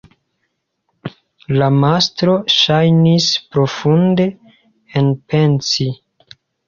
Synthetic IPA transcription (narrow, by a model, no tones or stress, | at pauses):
lamastɾo̞ʃajnispɾo̞funde̞ | enpent͡si